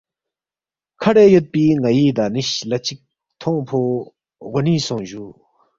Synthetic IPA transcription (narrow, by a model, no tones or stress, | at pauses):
kʰaɽeːjot̪̚piːŋajiːd̪aniɕlat͡ɕik̚ | t̪ʰoŋpʰo | ɣoniːsɔŋʑu